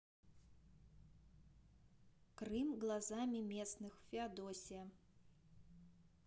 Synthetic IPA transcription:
kɾɨmɣlˠazamʲimʲɛsnɨxfʲiad̪ɔsʲijɐ

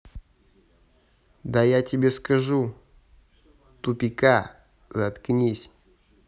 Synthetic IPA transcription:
d̪ajatʲɪbʲeskɐʐu | t̪upʲɪka | zɐt̪knʲisʲ

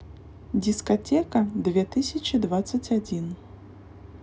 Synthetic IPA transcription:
d͡zʲiskat̪ʲɛkɐd̪vʲɛt̪ɨsʲɐt͡ʃid̪vat̪sːɐt͡sʲad͡zʲin

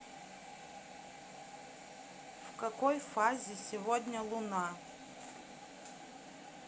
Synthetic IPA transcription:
vkɐkojfazʲɪsʲɪvod̪ʲnʲəlˠʊna

